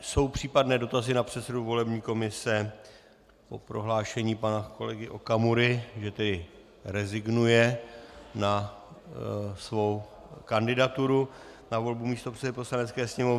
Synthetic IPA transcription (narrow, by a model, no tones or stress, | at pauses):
so̞wpr̥iːpadnɛːdo̞t̪azɪnapr̝̥ɛt̪sɛduvo̞lɛbɲiːko̞mɪsɛ | po̞pɾo̞ɦlaːʃɛɲiːpanako̞lɛɡɪʔo̞kamuɾɪʒɛt̪ɛdɪ | ɾɛzɪɡnujɛ | na | svo̞w | kandɪdat̪uɾu | navo̞lbumiːst̪opr̥t͡sɛdɪpo̞slanɛt̪t͡skɛːsɲɛmo̞v